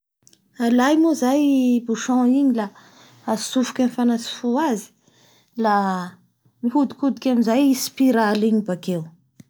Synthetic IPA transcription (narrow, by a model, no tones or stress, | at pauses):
alajmuzajbuʃɔ̃iɲila | asufu̥kʲanfanasi̥fuazi̥ | la | miɦud̪i̥kud̪ikʲamizajspiɾaliɲibakew